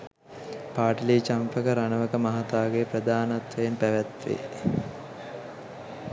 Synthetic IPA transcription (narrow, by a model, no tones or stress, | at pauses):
paːʈəliːt͡ʃampəkəɾanəʋəkəmaɦat̪aːɡepɾəd̪aːnat̪ʋəjenpæʋæt̪ʋḛ